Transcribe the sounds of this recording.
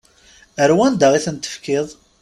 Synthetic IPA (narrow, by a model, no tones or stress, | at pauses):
əɾwænd̪æʁiθənt̪ːə̥fkɪðˤ